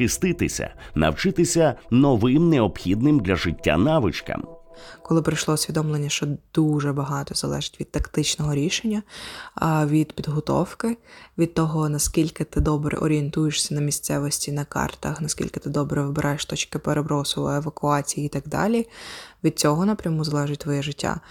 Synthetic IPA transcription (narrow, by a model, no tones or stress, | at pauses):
ɪst̪ɪt̪ɪ̰sʲɐ̰nɐ̰wt͡ʃɪt̪ɪsʲɐnɔʋɪmnɛɔpxʲid̪nɪmd̪lʲɐʐɪtʲːa̰naʋɪt͡ʃkɐ̰mkɔlˠɪpɾɐjʃlˠɔʊsʲʋʲid̪ɔmlˠenʲːɐʃt͡ʃɔd̪̥uʒɛbɐɦɑt̪ɔzɐlˠɛʒɪ̥tʲʋʲid̪̚t̪ɐkt̪ɪt͡ʃnɔɦɔɾʲiʃenʲːɐ | ʋʲid̪pʲid̪ɦɔt̪ɔ̰wkɪʋʲid̪̚t̪ɔɦɔnɐskʲilʲkɪt̪ɪd̪ɔbɾɛ̰ʔɔɾʲient̪ujeʃsʲɐnɐmʲisʲt̪sɛʋɔsʲtʲinɐkɑ̰rt̪ɐxnɐskʲḭlʲkɪt̪ɪd̪ɔbɾɛʋɪbɪɾʔɑjeʃt̪ɔt͡ʃkɪpeɾʔebɾɔsʊʋɔ̰eʋɐkʊɑt͡sʲijiːt̪ɑɡd̪ɑ̰lʲiʋʲid̪̚t͡sʲɔɦɔnɐpɾʲɐmuzɐlˠɛʒɪtʲt̪ʋɔjɛʒɪtʲːa̰